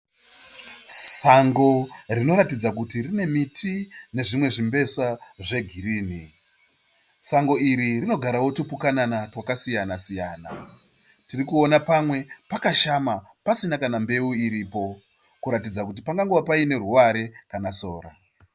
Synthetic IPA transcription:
saŋɡo̞rino̞ɾatid͡zakutirine̞mitʰine̞ʐimwe̞ʐimbe̞saʐe̞ɡʱiɾiːni | saŋɡo̞iɾirino̞ɡʱaɾawo̞tupukananatwakasijanasijaːna̰ | tirikuonapamwe̞pakaʃama | pasinakanambe̞uiɾiːpo̞ | kuɾatid͡zakut̬ipaŋɡaŋɡowapaine̞ruʋaɾe̞kanaso̞ːɾa̰

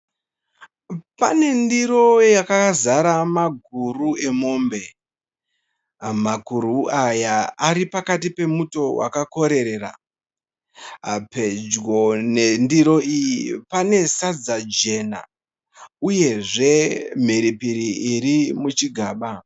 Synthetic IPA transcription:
pa̰ne̞ndiɾo̞jakazaɾamaɡʱurue̞mo̞ːmbe̞ | maɡʱuɾuajaːɾipakatipe̞muto̞wa̰kako̞ɾe̞ɾe̞ːra̰ | ɦa̰pe̞d͡ʒwone̞ndiɾo̞ijipane̞sad͡zad͡ʒe̞na̰ | uje̞ʐe̞m̤iɾipiɾiiɾimut͡ʃiɡʱaːɓa

